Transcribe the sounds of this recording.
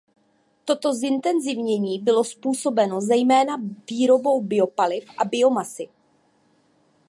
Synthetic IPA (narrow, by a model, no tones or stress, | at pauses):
t̪o̞t̪o̞zɪnt̪ɛnzɪvɲɛɲiːbɪlo̞spuːso̞bɛno̞zɛjmɛːnaviːɾo̞bo̞wbɪo̞palɪfʔabɪo̞masɪ